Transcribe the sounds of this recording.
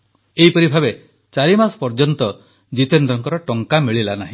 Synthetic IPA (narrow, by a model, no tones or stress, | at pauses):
eɦipɔɾibʱabe | t͡ʃaɾimasɔ̥pɔɾd͡ʒɔnt̪ɔ | d͡ʒit̪end̪ɾɔŋkɔɾɔʈɔŋkamiɭilanaɦĩ